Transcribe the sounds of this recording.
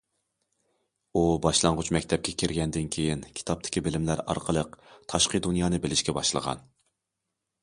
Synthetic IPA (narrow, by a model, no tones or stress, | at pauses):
ubɑʃlˠɑŋʁʊt͡ʃmɛkʲt̪ʰɛp̚kʲʰɛkʲʰɪɾɡʲɛnd̪ɪnkʲʰejinkʲʰi̥t̪ʰɑp̚t̪ʰɪ̥kʲibɪlɪmlæɾɑ̰ɾqʰəlˠəqt̪ʰɑʃqəd̪unjɑːnɨbɪlɪʃkʲɛbɑʃlˠə̰ʁɑ̰n